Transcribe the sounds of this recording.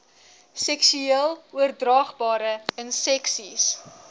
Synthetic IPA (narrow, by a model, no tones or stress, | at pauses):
sɛksyiəlˠuərdrɑːχbɑːɾəənsɛksis